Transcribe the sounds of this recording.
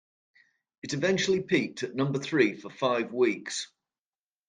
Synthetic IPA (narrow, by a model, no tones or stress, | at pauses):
ɪtɪvɛ̃nt͡ʃəl̩ɪpʰiˑk̚tʰəʔnʌ̃mbəθɹiːfəfaɪvwiˑks